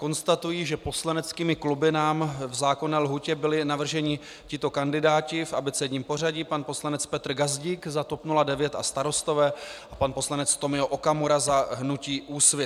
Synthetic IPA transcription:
ko̞nst̪at̪ujiːʒɛpo̞slanɛt͡skiːmɪklubɪnaːmvzaːko̞nɛːlɦucɛbɪlɪnavr̩ʒɛɲɪ | cɪt̪o̞kandɪdaːcɪfʔabɪt͡sɛɟɲiːmpo̞r̝aɟipanpo̞slanɛt͡spɛt̪r̩ɡazɟiːkzat̪o̞pnuladɛvjɛt̪a̰st̪aɾo̞st̪o̞vɛːʔapanpo̞slanɛt͡st̪o̞mɪoʔokamoɾazaɦnuciːʔuːsvjɪ

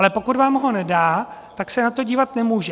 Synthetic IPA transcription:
lɛpo̞kut̪vaːmɦo̞nɛdaːt̪aksɛnat̪o̞ɟiːvat̪nɛmuːʒɛ

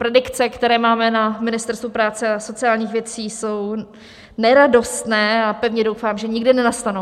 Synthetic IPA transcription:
pɾɛdɪkt͡sɛkt̪ɛɾɛːmaːmɛnamɪnɪst̪ɛɾst̪vupɾaːt͡sɛaso̞t͡sɪaːlɲiːxvjɛt͡siːso̞w | nɛɾado̞st̪nɛːapɛvɲɛdo̞wfaːmʒɛɲɪɡdɪnɛnast̪anow

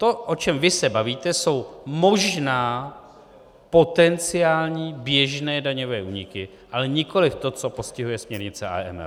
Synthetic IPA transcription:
t̪oʔo̞t͡ʃɛmvɪsɛbaviːt̪ɛso̞wmo̞ʒnaː | po̞t̪ɛnt͡sɪaːlɲiːbjɛʒnɛːdaɲo̞vɛːʔuːɲɪkɪ | ʔalɛɲɪko̞lɪft̪o̞t͡so̞po̞scɪɦujɛsmɲɛɾɲɪt͡sɛʔa̰ɛ̰mɛ̰l

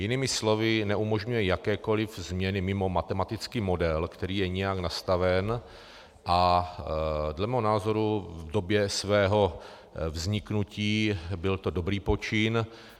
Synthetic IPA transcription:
jɪnɪmɪslo̞vɪnɛʔumo̞ʒɲujɛjakɛːko̞lɪvzmɲɛnɪmɪmo̞mat̪ɛmat̪ɪt͡skiːmo̞dɛlkt̪ɛɾiːjɛɲɛjaknast̪avɛn | ʔa | dlɛmɛːɦonaːzo̞ɾuvdo̞bjɛsvɛːɦo̞ | vzɲɪknuciːbɪlt̪o̞do̞bɾiːpot͡ʃɪn

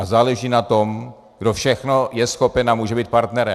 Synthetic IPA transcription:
ʔazaːlɛʒiːnat̪o̞m | ɡdofʃɛxnojɛsxopɛnamuːʒɛbiːt̪̚paɾt̪nɛɾɛ

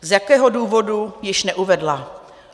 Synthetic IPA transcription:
zjakɛːɦoduːvo̞dujɪʃnɛʔuvɛdla

